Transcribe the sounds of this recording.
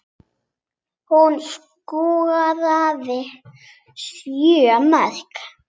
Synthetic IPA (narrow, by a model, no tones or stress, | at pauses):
huns | kuːɣaðaðɪ | sjʏamaðkḁ